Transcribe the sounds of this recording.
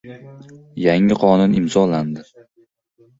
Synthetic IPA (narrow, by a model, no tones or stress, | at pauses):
jaŋɪqʰɒnʊnɪmzɒland̪ɪ